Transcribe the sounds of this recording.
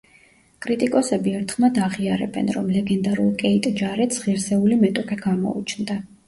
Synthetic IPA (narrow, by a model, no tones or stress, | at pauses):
kʼɾit̪ʼikʼɔsɛbiɛɾt̪ʰχmad̪aʁiaɾɛ̰bɛ̰nɾɔmlɛɡɛnd̪aɾṵlˠkʼɛit̪ʼd͡ʒaɾɛt̪sʁiɾsɛulimɛt̪ʼɔkʼʰɛɡamɔ̰ṵt͡ʃʰnd̪a